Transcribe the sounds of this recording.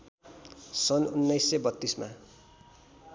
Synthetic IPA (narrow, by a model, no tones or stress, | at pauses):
sʌnunːʌjsːebʌt̪ːisma̰